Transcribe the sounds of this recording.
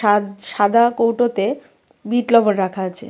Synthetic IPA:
aʃad̪ʱakowʈot̪e | biʈlɔbonɾakʰaat͡ɕʰḛ

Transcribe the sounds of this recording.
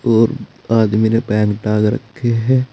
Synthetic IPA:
oːɾaːd̪iminepɛ̃ːŋɡʈaːɡɾɐ̰kʰːeɦɛː

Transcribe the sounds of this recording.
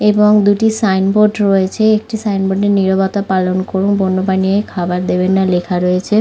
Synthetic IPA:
eboŋd̪uʈisajnboɖɾoet͡ɕʰeek̚ʈisajnboɖeɾniɾobɔt̪apalonkoɾunbonːobaniekʰabaɾd̪ebenːalekʰaɾoet͡ɕʰe

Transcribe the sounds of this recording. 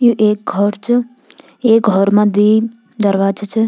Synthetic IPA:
juʔeːk̚ɡʱɔɾt͡ʃʰ | eːk̚ɡʱɔɾmãd̪i | d̪əɾʋaːd͡ʒt͡ʃʰə

